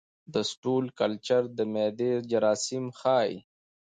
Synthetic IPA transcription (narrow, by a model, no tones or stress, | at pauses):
d̪əsʈuːlkɐlt͡ʃɐɾd̪əmeːd̪eːd͡ʒɐɾaːsimxɑːḭ